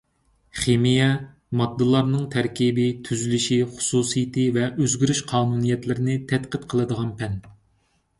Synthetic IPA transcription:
χemijɛ | mɑd̪ːɨlˠɑɾnɨŋt̪ʰɛɾkʲibɪt̪ʰyzylyʃiχʊ̥suːsijit̪ɨvɛʔøzɡʲyɾyʃqʰɑːnunijɛt̪lɪɾɪnɪt̪ʰɛt̪qət̪qʰəlˠɨd̪əʁɑnpʰɛn

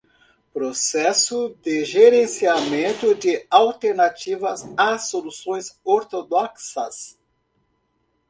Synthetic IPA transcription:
pɾosɛsʊd̪ɪʒeɾẽsiamẽnt̪ʊd̪ɪawt̪eɾnat͡ʃivɐzasolusõj̃soɾt̪od̪ɔksɐs

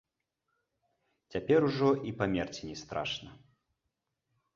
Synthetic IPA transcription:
t͡sʲapʲɛɾuʐɔʔipamʲɛrt͡sʲinʲɛst̪ɾa̰ʂnɐ

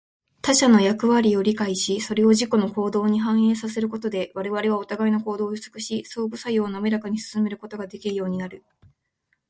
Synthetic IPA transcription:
t̪aɕano̞jakɯ̟βaɾʲio̞ɾʲikaiɕiso̞ɾe̞o̞ʑiko̞no̞ko̞ːd̪o̞ːɲ̟iɦãɰ̃e̞ːsase̞ɾɯ̟ko̞t̪o̞d̪e̞βaɾe̞β̞aɾe̞β̞ao̞t̪aɡaino̞ko̞ːd̪o̞̥ːt͡sɨ̥kɯ̟ɕiso̞ːbɯ̟sajoːnamʲeɾakaɲ̟isɨ̥sɨme̞ɾɯ̟ko̞t̪o̞ɡad̪e̞kʲiɾɯ̟jo̞ːɲ̟inaɾɯ̟

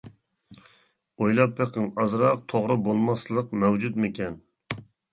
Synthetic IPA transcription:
ojlˠɑpːeqəŋɑzɾɑq̚t̪ʰoʁɾɨbolˠmɑslˠəqmɛwd͡ʒut̪mɪkʲɛn

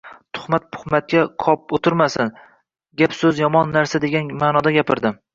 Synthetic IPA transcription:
t̪ʰʊ̥χmat̪̚pʰʊ̥hmat̪̚kʲaqʰɒp̚ot̪ʰɪɾmasɪn | ɡʲapsɵzjɒmɒnːaɾsad̪e̞ɡʲanmaːnɒd̪aɡʲapʰɪɾd̪ɪm

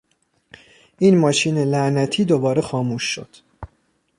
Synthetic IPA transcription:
ʔiːnmɒːʃiːnelæʔnæt̪ʰiːd̪o̞bɒːɾexɒːmuːʃːo̞̰d̪̥

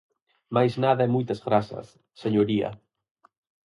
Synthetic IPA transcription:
majznaðɐɛmujt̪ɐzɣɾasɐ̰sː | eɲoɾiɐ̰

